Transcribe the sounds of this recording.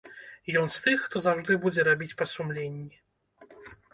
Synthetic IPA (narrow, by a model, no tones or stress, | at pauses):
jɔnst̪ɨxːt̪ɔzawʐd̪ɨbud͡zʲɛɾabʲit͡sʲpɐsumlʲenʲːi